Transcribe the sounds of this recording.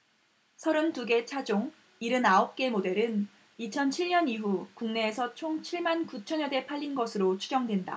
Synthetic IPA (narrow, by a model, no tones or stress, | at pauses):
sʰʌɾɯmtuɡe̞t͡ɕʰad͡ʑoŋ | iɾɯnaop̚k͈e̞mode̞ɾɯn | it͡ɕʰʌnt͡ɕʰiɭɲʌniɦukuŋne̞ːsʰʌt͡ɕʰoŋt͡ɕʰiɭmankut͡ɕʰʌɲʌde̞pʰaʎːinɡʌsʰɯɾot͡ɕʰu̥d͡ʑʌŋdwe̞nda̰